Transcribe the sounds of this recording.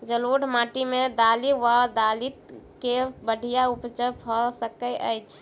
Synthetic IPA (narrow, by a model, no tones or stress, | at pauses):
d͡ʒəluɽmaʈimed̪aliʋad̪alit̪̚kebəɽʱijaupt͡ʃəpʰɔsəkəʔə̰jt͡ʃʰ